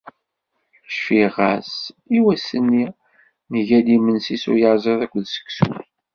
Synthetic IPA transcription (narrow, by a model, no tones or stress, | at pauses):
ʃfiʁæ̰siwæsːənːi | nəʝælimənsisṵɾjɑɾzˤeðˤækʷːðsə̥ksṵ